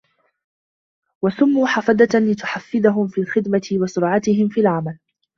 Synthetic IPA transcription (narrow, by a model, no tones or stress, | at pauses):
wasʊmːuːħafad̪alɪt̪ʊħafːɪd̪aɦʊmfiːlxɪd̪mat̪ɪwɑsʊɾʕat̪ɪɦɪmfiːlʕamal